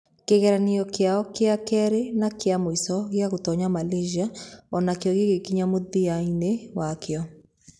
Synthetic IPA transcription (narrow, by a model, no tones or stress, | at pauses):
keɣɛɾaniɔkeaɔkeakɛɾenakeamoisɔɣeaɣotɔɲamaleʒiaɔnakeɔɣeɣekiɲamoðiainewakeɔ